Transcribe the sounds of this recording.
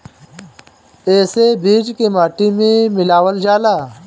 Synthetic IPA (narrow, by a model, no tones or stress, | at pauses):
eːsebʱiːd͡ʒkemaːʈimẽmɪlaːwəld͡ʒaːlaː